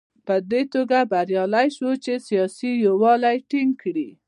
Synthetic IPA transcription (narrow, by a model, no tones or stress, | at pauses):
pəd̪et̪oɡabaɾjɑlajʃwot͡ʃesijɑsijowɑlajʈiŋɡ̚kɽi